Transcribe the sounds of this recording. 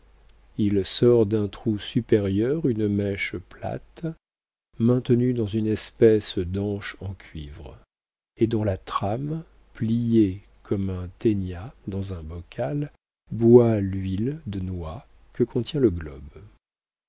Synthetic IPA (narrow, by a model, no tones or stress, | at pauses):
ilsɔʁd̪ɛ̃t̪χusypɛʁjœʁynmɛʃpla̰t̪ | mɛ̃t̪nyd̪ɑ̃zynɛspɛsd̪ɑ̃ʃɑ̃kʲɥivʁ | ed̪ɔ̃lat̪χam | plije | kʰɔmɛ̃t̪enjad̪ɑ̃zɛ̃bɔkʰal | bwalɥild̪ənwa | kəkʰɔ̃t̪jɛ̃ləɡlɔ̰b